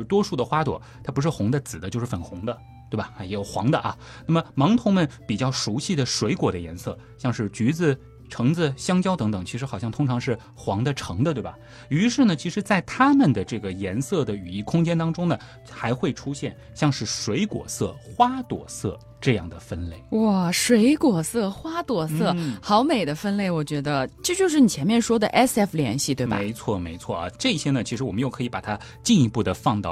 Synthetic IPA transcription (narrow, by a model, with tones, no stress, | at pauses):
t̪wɔ˥ʂu˥˩d̪ə˩xwa˥t̪wɔ˨˩t̪ʰa˥pu˧˥ʂ̬ɻ̩˥˩xʊ˧˥ŋd̪ə˧t͡sɹ̩˨˩d̪ə˦t͡ɕjo˥˧ʊʂɻ̩˥˩fə˨˩nxʊ˧˥ŋd̪ə˧ | t̪we˥˩ɪbɐ˨˩˥jɛ˧˥jo˨˩ʊxwɑ̰˧˥ŋd̪ə˧ʔɐ˩ | na˥˩mə˩mɑ˧˥ŋt̪ʰʊ˧˥ŋmə˨npi˨˩t͡ɕjɑ˥˩ʊʂu˧˥ɕi˥˩d̪ə˩ʂwe˧˥ɪkwɔ˨˩d̪ə˦jɛ̰˧˥nsɤ̰˥˩ | ɕjɑ˥˧ŋʂɻ̩˥˩t͡ɕy˧˥d͡zɹ̩˧ | ʈ͡ʂʰɤ˧˥ŋd͡zɹ̩˧ɕjɑ˥ŋt͡ɕjɑ˥ʊt̪ɤ˧˥ŋt̪ɤ˨˩ŋt͡ɕʰi˧˥ʂɻ̩˧˥xɑ˨˩ʊɕjɑ˥˩ŋt̪ʰʊ˥ŋʈ͡ʂʰɑ˧˥ŋʂɻ̩˥˩ | xwɑ˧˥ŋd̪ə˧ʈ͡ʂʰɤ˧˥ŋd̪ə˧t̪we˥˩ɪbɐ̰a˩ | y˧˥ʂɻ̩˥˩nə˩t͡ɕʰi˧˥ʂɻ̩˧˥t͡sa˥˩ɪt̪ʰa˥mə˨nd̪ə˩ʈ͡ʂɤ˥˩ɡə˩jɛ˧˥nsɤ˥˩d̪ə˩y˨˩i˥˩kʰʊ˥ŋt͡ɕjɛ˥nt̪ɑ˥ŋʈ͡ʂʊ˥ŋnə˩ | xa˧˥ɪxwe˥˩ɪʈ͡ʂʰu˥ɕjɛ˥˩n | ɕjɑ˥˧ŋʂɻ̩˥˩ʂwe˧˥ɪkwɔ̰˨˩sɤ˥˩xwa˥t̪wɔ̰˨˩sɤ̰˥˧ | ʈ͡ʂɤ˥˧jɑ̰˥˩ŋd̪ə˩fə˥nle˥˩ɪwɔ˥˩ʂwe˧˥ɪkwɔ˨˩sɤ˥˩xwa˥t̪wɔ˨˩sɤ˥˩xɑ˧˥ʊme˨˩ɪd̪ə˦fə˥nle˥˩ɪwɔ˨˩t͡ɕɥɛ˧˥d̪ə˧ʈ͡ʂɤ˥˧t͡ɕjo˥˧ʂ̬ɻ̩˥˩ni˨˩t͡ɕʰɛ˧˥nmjɛ˥˩nʂwɔ˥d̪ə˨ʔɛ˥sɛ˥˩fljɛ̰˧˥nɕi˥˩t̪we˥˩ɪmbɐ̰e˧˥ɪt͡sʰwɔ˥˩me˧˥ɪt͡sʰwɔ˥˩ə̰˧˩ʈ͡ʂɤ˥˩i˧˩ɕjɛ˥nə˨t͡ɕʰi˧˥ʂɻ̩˧˥wɔ˨˩mə˦njo˥˩ʊkʰɤ˧˥i˧˥pa˨˩t̪ʰa˥ | t͡ɕi˥˧ni˧˥pu˥˩d̪ə˩fɑ˥˧ŋt̪ɑ˥˩˨